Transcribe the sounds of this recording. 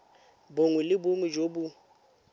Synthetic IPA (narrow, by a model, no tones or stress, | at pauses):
boŋwʊlɪbʊmʊd͡ʒobu